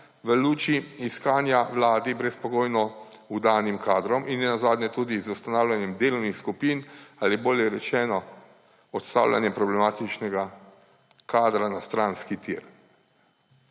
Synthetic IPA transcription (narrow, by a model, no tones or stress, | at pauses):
ʋəluːt͡ʃiiskaːnjaʋlaːd̪ibɾɛspɔɡoːjnɔ | ud̪aːnimkaːd̪ɾɔmʔinːɛnazaːd̪nʲɛt̪uːd̪izuwst̪anaːwlʲjanjɛmd̪eːlɔwnixskupiːnaliboːljɛɾɛt͡ʃɛːnɔ | ɔt̪st̪a̰ːwlʲʔa̰njɛmpɾɔblɛmaːt̪it͡ʃnɛɡa | kaːd̪ɾanast̪ɾaːnskit̪iɾ